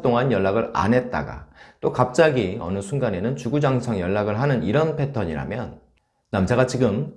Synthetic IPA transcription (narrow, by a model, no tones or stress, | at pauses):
t͈oŋanjʌɭːaɡɯɾa̰nɦe̞t̚t͈a̰ɡa̰t͈okap̚t͡ɕ͈aɡiʌ̰nɯsʰuŋɡane̞nɯnt͡ɕuɡud͡ʑaŋsʰaŋjʌɭːaɡɯɭɦanɯniɾʌnpʰe̞tʰʌɲiɾa̰mjʌnː | amd͡ʑaɣat͡ɕiɡɯm